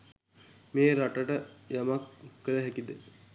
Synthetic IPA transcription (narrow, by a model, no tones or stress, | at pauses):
meːɾaʈəʈəjamakːələɦɛkid̪ə